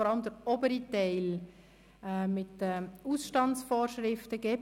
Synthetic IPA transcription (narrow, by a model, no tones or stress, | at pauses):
ɔɾɑləmd̪əɾɔbəɾitɛɪlː | mɪtəusʃtɑnt͡sfɔːɾʃɾɪftəɡ̥ɛː